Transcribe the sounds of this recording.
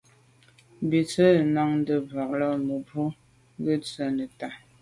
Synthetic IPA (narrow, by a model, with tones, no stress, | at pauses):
bi˨t͡sə˦˨na˦ŋn˦də˦ba˨k̚lə˦mə˨bu˦ | ɡə˦t͡sə˦˨nə˨ta˨